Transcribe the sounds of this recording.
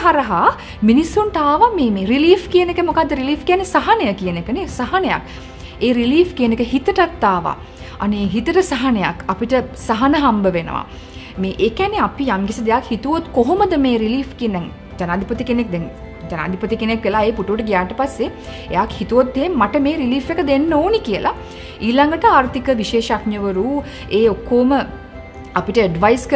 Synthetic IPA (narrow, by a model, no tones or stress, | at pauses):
ɦaɾɐɦa | minisːunʈaːʋameːmeːɾiliːfkijənekəmokad̪ːəɾiliːfkijanːesaɦɐnəjəkijənekənesaɦaneja̰k | eːɾiliːfkijənekəɦit̪əʈat̪ːaːʋa̰ | a̰neːɦit̪əʈəsaɦɐneja̰kapiʈəsaɦɐnəɦambəʋenə̰ʋa̰ | meːʔeːkæneapijamɡisid̪ejakhit̪uʋot̪koɦoməd̪əmeːɾiliːfkiənd̪ɛŋ | d͡ʒanaːd̪ʱipət̪ikenek̚d̪ɛŋ | d͡ʒana̰ːd̪ʱipət̪ikenekʋelaːeːpuʈuʋʈəɡijaːʈəpasːe | ejakhit̪uʋot̪̚d̪eɦemːaʈəmeːɾiliːfʋekəd̪enːəoːnikijəlʔa̰ | iːlaŋɡəʈəaːɾt̪ʰikəʋiʃeːʃakɲjəʋəɾuː | eːokːoːmə | apiʈəeɖʋajskə